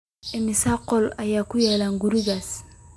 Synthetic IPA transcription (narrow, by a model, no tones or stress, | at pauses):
emisaqɔlajakujalaŋɡuɾuɡas